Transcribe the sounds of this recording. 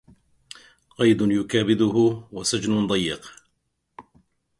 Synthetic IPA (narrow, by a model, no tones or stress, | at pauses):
qɑjd̪ʊnjʊkaːbɪd̪ʊɦʊwasad͡ʒnʊnd̪ˤɑjːɪq